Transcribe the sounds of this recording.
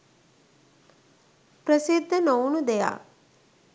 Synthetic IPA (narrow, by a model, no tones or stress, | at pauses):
prəsid̪ʱːənownud̪eja̰k